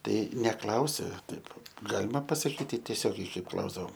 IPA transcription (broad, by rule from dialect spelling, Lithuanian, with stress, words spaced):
ˈtɐɪ nʲɛˈklˠɐʊsʲɪ ˈtɐɪp ˈɡɑːlʲɪmɐ pɐsɐˈkʲiːtʲɪ tʲiɛˈsʲoːɡʲɛɪ ˈkɐɪp ˈklˠɐʊzdɐʋoːm